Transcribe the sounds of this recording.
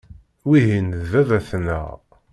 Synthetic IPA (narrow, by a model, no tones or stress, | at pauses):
wiɦinðvævæθnæ̰